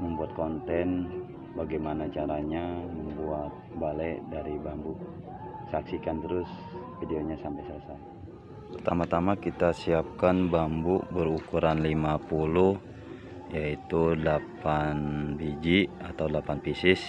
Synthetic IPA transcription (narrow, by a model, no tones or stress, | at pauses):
məmbuat̪̚kɔnt̪ɛn | baɡajmanat͡ʃaɾaɲaməmbuat̪̚balɛdaɾibambuʔ | saksikant̪əɾʊs | fideoɲasampajsəlasa | pərt̪amat̪amakit̪asiap̚kanbambuʔbəɾukuɾanlimapuluh | jait̪udlapanbid͡ʒiat̪awdəlapanpisɪs